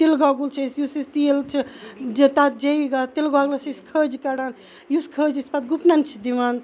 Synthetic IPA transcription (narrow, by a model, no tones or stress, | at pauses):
t̪ilɡaɡult͡ʃʰisjusist̪ilt͡ʃʰid͡ʒet̪at̪̚d͡ʒeiɡat̪ilɡaɡlɐsiskʰəd͡ʒikɐɽan | juskʰəd͡ʒispɐt̪ɡupnant͡ʃʰid̪iʋan